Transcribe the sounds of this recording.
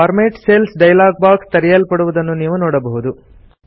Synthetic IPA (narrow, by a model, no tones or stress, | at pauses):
ɐɾmeːʈseːlsɖɐjlaːɡ̚baːkst̪ɐɾijɐlpɐɽuʋud̪ɐnːuniːʋunoːɽɐbɐɦud̪u